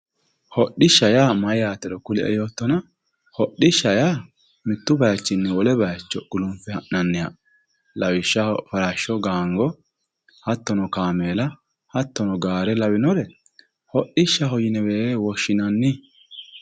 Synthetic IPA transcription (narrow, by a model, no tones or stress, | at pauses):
hɔɗɪʃːɐjaːmɐjaːt̪ːɛɾɔkʊlɛʔɛ̰joːt̪ːɔnɐ | hɔɗːɪʃːɐjaː | mɪt̪ːʊbɐjɐt͡ʃːɪnːɛɔlɛbɐjɐt͡ʃːɔkʊlʊmfɛhɐʔnɐnːɪjɐ̰ | lɐwɪʃːɐfɐɾaʃːɔɡaːŋɡɔ | hɐt̪ːɔnɔkaːmeːlɐ | hɐt̪ːɔnɔɡaːɾɛlɐwɪnɔɾɛ | hɔɗɪʃːɐɦɔjɪnɛweːeːwɔʃːɪnɐnːɪ